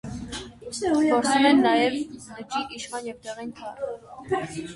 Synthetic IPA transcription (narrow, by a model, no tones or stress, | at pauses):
pɔɾt͡sʰumɛnːɑjɛvnət͡ʃiʔiʃχɑnjɛvt̪ɛʁɛnkʰɑɾ